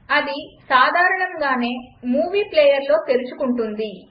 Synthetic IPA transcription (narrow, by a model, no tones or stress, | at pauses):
ɐd̪isaːd̪ʱaːɾɐɳɐŋɡaːne̞ːmuːʋiːpleːjɐɾlo̞ːt̪e̞ɾut͡ʃukuɳʈund̪i